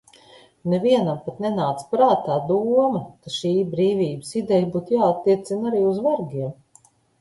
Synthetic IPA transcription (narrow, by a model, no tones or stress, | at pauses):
nɛviɛnampat̪nɛnaːt̪spɾaːt̪aːd̪uɔmɐk̪aʃiːbɾiːvʲiːbəsid̪ɛjbuːt̪jaːat̪ːiɛt̪sinaɾiːuzvaɾɡʲiɛm